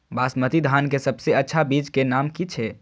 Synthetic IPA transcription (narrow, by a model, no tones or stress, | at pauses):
baːsmət̪id̪ʱaːnkesəbseətːʃʰabid͡ʒkenaːmkit͡ʃʰɛ